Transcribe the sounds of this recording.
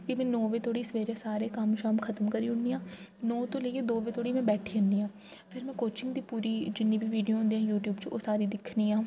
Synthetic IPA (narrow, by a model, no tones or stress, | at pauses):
kimɛ̃nɔːʋeːt̪ʰoːɽiːsʋeːɾeːsaːɾeːkamʃaːmkʰət̪əmkəɾiːʊɳd̪iːãː | nɔːt̪õːleːked̪oːʋeːt̪ʰoːɽiːmɛ̃ːbɛːʈʰiːənd̪iːãː | pʰɪɾmɛ̃ːkoːt͡ʃɪ̃ŋɡd̪iːpuːɾiːd͡ʒɪnːĩːbʱiːʋiːɖijoːɦʊ̃nd̪eɦãːjuːʈjuːbt͡ʃoːsaːɾiːd̪ɪkʰniːãː